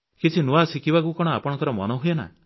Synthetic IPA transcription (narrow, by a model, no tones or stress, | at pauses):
kit͡ʃʰinuasikibakukɔɽ̃ɔapɔɽ̃ɔ̃ŋkɔɾɔmɔ̰nɔɦujena̰